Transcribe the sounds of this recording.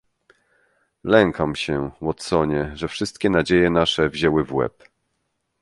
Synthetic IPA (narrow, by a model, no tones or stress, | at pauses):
lɛŋkamɕɛwɔt̪sɔɲɛʐɛfʂɘst̪̚kʲɛnad͡ʑejɛnaʂɛvʑɛwɘvwɛ̰p